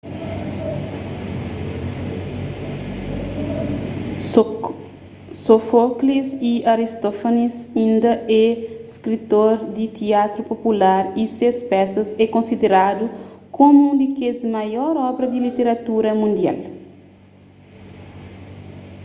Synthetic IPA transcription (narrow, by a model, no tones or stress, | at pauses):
sofokliziaɾist̪ofonisĩnd̪ɐʔɛskɾit̪oɾd̪it̪iat̪ɾupopulaɾisespɛsɐzɛkõnsid̪eɾad̪ukomuũd̪ikezmɐjɔɾɔbɾɐd̪ilit̪eɾɐt̪uɾɐmũnd̪ia̰l